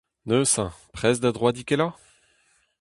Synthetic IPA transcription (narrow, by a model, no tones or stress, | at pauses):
nøsɛ̃pχɛsd̪ad̪ʁwad̪ikɛla